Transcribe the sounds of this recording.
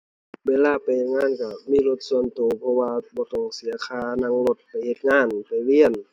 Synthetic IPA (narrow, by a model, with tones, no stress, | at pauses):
weː˧˨laː˧˨pa˨jhe˧t̪̚ŋaː˧˥˨nka˧˩miː˧˥˨lo˧t̪̚su˧˨ənt̪oː˨˩pʰɔ˧waː˧bɔː˧˦t̪ɔː˧˩ŋsi˨˦ɐkʰaː˧˩na˧˥˨ŋlo˧˦t̪̚pa˨˩jhe˧t̪̚ŋaː˧˥˨npa˨˩jli˧˨ən